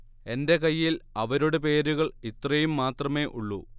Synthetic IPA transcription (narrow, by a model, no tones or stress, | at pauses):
e̞nde̞kɐjːilɐʋɐɾoɽepe̞ːɾuɣɐɭit̪rɐjumːaːt̪rɐme̞ːʔuɭːu